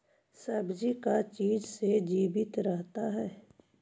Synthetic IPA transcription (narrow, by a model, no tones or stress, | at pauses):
sɐbd͡ʒikat͡ʃiːd͡ʒsed͡ʒiːbɪt̪ɾɐɦt̪aɦɛː